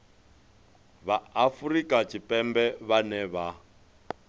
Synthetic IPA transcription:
βaafuɾikʼat͡ʃʰʼipʼɛmbɛβanɛβa

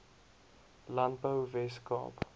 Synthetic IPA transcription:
lant̚bəwvɛskɑ̰ːp

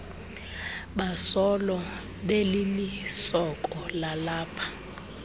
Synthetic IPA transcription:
ɓasɔlɔ | ɓelimisɔkʼɔlalaːpʰḁ

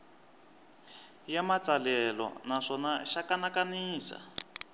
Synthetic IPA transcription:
jamat͡salɛlɔ̰naʂɔnaʃakanakaniːsa̰

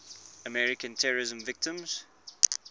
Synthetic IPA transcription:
əmɛɹɪkə̃ntʰɛɹəɹɪzə̃ɱvɪk̚tə̃mz̥

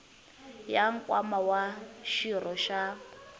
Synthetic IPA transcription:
jaŋ̩kʼwamawaʃirɔʃa

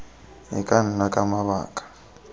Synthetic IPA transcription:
ɦḭkʼan̩nakʼamaβa̰ːkʼḁ

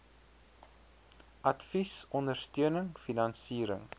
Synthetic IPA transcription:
ʔɐtfisɔndərstøənəŋfinɐnsiːɾəŋ

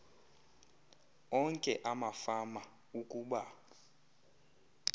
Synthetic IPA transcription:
ɔŋkʼɛʔamafama | ukʼuːɓa

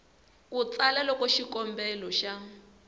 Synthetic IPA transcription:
kut͡salɛlɔkɔʃikɔmbɛlɔʃa

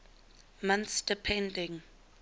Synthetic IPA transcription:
mãnθsd̥ɪpʰɛ̃ndɪ̃ŋ

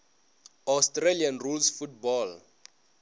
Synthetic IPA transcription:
astrelianrulsfut̚bɔl

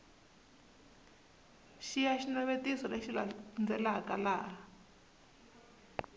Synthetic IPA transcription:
ʃijaʃinaβetisɔleʃiland͡zɛlakalaːɦa

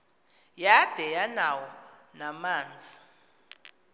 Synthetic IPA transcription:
jad̥ʱɛjanawɔnamaːnd͡zʱi

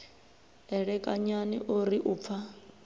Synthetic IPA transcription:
ɛɺɛkʼaɲanḭʔoɾiʔuːp̪fʰa

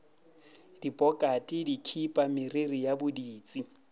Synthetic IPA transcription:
dipʼɔkʼatʼɪdikʰipʼamɪrerijabʊdiːt͡sʼi

